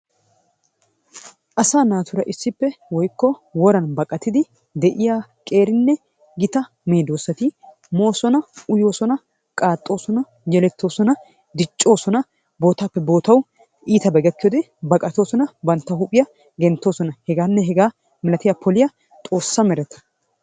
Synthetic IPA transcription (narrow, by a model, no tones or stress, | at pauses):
ʔɐsaːnaːt̪ʊɾɐʔɪsːɪpːɛwɔjkːɔwɔɾɐnbɐkʼɐt̪ːɪd̪ɪ | d̪ɛʔɪjaːkʼe̞ːɾɪnːɛ | ɡɪt̪ɐ | meːd̪oːsɐt̪ɪ | mo̞ːsɔnɐʊjo̞ːsɔnɐ | kʼaːt̪ʼːo̞ːsɔnɐ | jɛlɛt̪ːo̞ːsɔnɐ | d̪ɪt͡ʃʼːo̞ːsɔnɐ | bo̞ːt̪aːpːɛbo̞ːt̪ɐw | ʔiːt̪ɐbɛɡɐkːɪjoːd̪ɛ | bɐkʼɐt̪o̞ːsɔnɐbɐnt̪ːɐhʊpʼɪjɐ | ɡɛnt̪ːo̞ːsɔnɐhɛɡaːnːɛɦɛɡaː | mɪlɐt̪ɪjapʰɔlɪjɐ | t̪ʼo̞ːsːɐmɛɾɛt̪ɐ̥